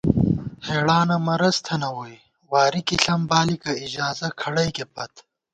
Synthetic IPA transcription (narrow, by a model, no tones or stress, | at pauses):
heːɽaːnɐmɐɾɐst̪ʰɐnɐwoj | waːɾikiɬɐmbaːlikɐid͡ʑaːzɐkʰɐɽɐjkepɐt̪